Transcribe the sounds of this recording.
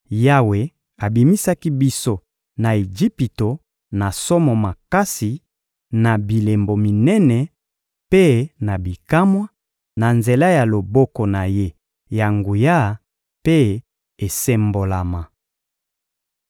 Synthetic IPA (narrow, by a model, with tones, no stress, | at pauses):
ja˦we˨ | a˨bi˨mi˦sa˦ki˦bi˦so˦ | na˨e˨d͡ʒi˦pi˨to˨ | na˨sɔ˦mɔ˨ma˨ka˦si˨ | na˨bi˨le˨mbo˨mi˨nɛ˦nɛ˨ | pe˦na˨bi˨ka˦mwa˦ | na˨nze˨la˦ja˨lo˨bɔ˦ko˨na˨je˦ | ja˨ŋɡu˨ja˦˨ | pe˦ | e˨se˦mbo˨la˨ma˨